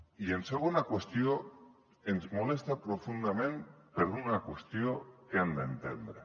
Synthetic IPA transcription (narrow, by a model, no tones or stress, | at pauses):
ienseɣunakwest̪io | enzmole̞st̪apɾo̞fund̪amẽ̞npeɾðunakwest̪io̞eand̪aent̪end̪ɾe